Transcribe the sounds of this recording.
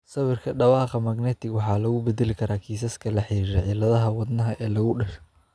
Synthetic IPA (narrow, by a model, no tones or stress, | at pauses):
sɐβɪrkʰɐɖɑwɑːqɑmaːɡnɛːt̪ʰɪɡwɑħɑːlɐɣʊbɛd̪ɛlɪkʰɐɾaːkʰiːsɐskʰɐlɐħiːɾɛʕiːlɐðɐɦɐwɑd̪nɐɦɐʔɛːlɐɣʊɖɐʃɔ̥